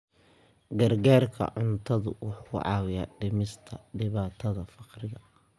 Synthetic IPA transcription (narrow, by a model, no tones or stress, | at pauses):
ɡɐrɡaːrkʰɐ̰ʕʊnt̪ʰɐðʊ̰wʊħʊ̰ʕɑ̰ːwɪjaɖɪmɪst̪ʰɐɖɪβaːt̪ʰɐðɐfɑqrɪɣɐ